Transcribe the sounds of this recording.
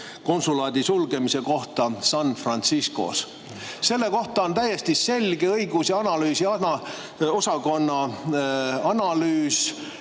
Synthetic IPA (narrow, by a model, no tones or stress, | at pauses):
ko̞nsulɑːd̪̥isulɡe̞mise̞ko̞ht̪ɑsɑnfrɑnt̪sisko̞̰s | se̞lːe̞ko̞ht̪ɑo̞nt̪æje̞st̪ise̞lɡ̥e̞ɤjɡusɑɑnɑlyːsiɑɑ | o̞sɑko̞nːɑ | ɑnɑlyːs